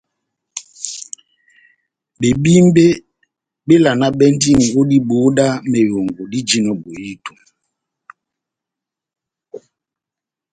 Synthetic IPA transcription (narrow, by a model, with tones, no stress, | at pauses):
ɓe˨ɓi˦m˦be˦ | ɓe˦la˨na˦ɓɛ˦n˦di˦ni˨o˦di˦ɓo˨˦da˦me˨jo˨ŋɡo˨di˦d͡ʒi˦nɔ˨ɓo˨ji˦to˨